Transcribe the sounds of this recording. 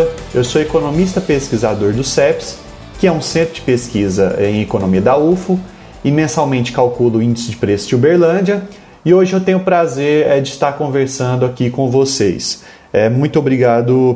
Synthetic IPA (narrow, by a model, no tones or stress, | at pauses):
ɐewsoekonõmist̪ɐpeskizad̪oɾd̪ʊsɛps | kɪɛũsẽt̪ɾʊd͡ʒɪpeskizɐ̰ẽj̃ekonõmiɐd̪ɐufʊ | ɪmẽsawmẽnt͡ʃɪ̥kawkulʊĩnd͡ʒɪsɪd͡ʒɪpɾesʊd͡ʒubeɾlɐ̃d͡ʒɐ | ɪoʒɪewt̪ẽɲ̃ʊpɾazeɾɛd͡ʒɪst̪aɾkõveɾsɐ̃nd̪ʊakikõvosḛjs | ɛmũj̃t̪ʊobɾiɡad̪ʊ